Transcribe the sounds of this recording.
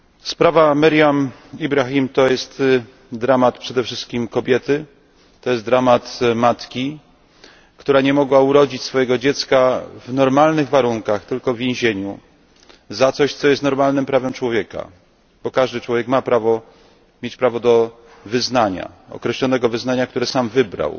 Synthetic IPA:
spɾavamɛɾʲjam | ibɾaxʲimt̪ɔjɛst̪ | d̪ɾamat̪pʂɛd̪ɛfʂɘst̪̚kʲimkɔbʲjɛt̪ɘ | t̪ɔjɛst̪̚d̪ɾamat̪mat̪kʲi | kt̪uɾaɲɛmɔɡwauɾɔd͡ʑit͡ɕsfɔjɛɡɔd͡ʑɛt̪skavnɔɾmalnɘɣvaɾuŋkaxt̪ɘlkɔvvʲjẽw̃ʑeɲu | zat̪sɔɕt̪sɔjɛst̪nɔɾmalnɘmpɾavɛmt͡ʂwɔvʲjɛka̰ | b̥ɔkaʐd̪ɘt͡ʂwɔvʲjɛkmapɾavɔ | mʲjet͡ɕpɾavɔd̪ɔ | vɘznaɲa̰ɔ̰kɾɛɕlɔnɛɡɔvɘznaɲak̚t̪uɾɛsamvɘbɾa̰w

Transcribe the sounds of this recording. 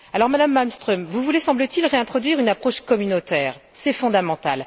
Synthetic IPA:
alɔʁmad̪amːalmst̪χœmvuvulesɑ̃blət̪ilʁeɛ̃t̪χɔd̪ɥiʁynapχɔʃkɔmynot̪ɛːʁsɛfɔ̃d̪amɑ̃t̪al

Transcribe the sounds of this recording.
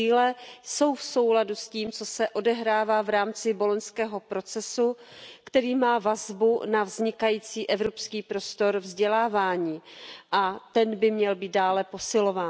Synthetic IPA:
iːlɛso̞wfso̞wladusciːmt͡so̞sɛʔo̞dɛɦɾaːvaːvɾaːmt͡sɪbo̞lonskɛːɦo̞pɾo̞t͡sɛsukt̪ɛɾiːmaːvazbunavzɲɪkajiːt͡siːʔɛvɾo̞pskiːpɾo̞st̪o̞ɾvzɟɛlaːvaːɲiːʔat̪ɛnbɪmɲɛlbiːt̪̚daːlɛpo̞sɪlo̞vaː

